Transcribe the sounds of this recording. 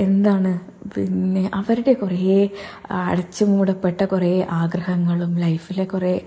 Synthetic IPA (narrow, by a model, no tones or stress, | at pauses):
e̞nd̪aːɳɨ | pinːe̞ʔɐʋɐɾuɽe̞kure | ɐ̰ɽɐt͡ɕːumuːɽɐpːe̞ʈːɐkureʔaːɡrɐhɐŋːɐɭumlɐjfilekureː